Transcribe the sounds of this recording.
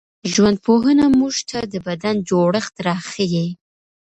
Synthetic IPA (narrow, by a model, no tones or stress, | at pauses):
ʒwand̪̚poɦənamuʒt̪ʰad̪əbad̪and͡ʒoɽəxt̪ɾɑxəje